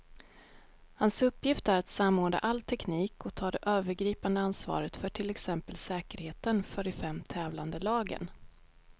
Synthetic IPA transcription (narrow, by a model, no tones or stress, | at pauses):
hansɵpːjɪft̪æɾat̪samoːɖa̰ʔalːt̪ʰɛkniːkɔt̪ʰɑːd̪ɛʔøːvəɾɡɾiːpand̪əansvɑ̰ːɾət̪fœʈʰɪlɛksɛmpəlsɛːkəɾheːt̪ənfœɾɪfɛmːt̪ʰɛːvland̪əlɑːɡə̰n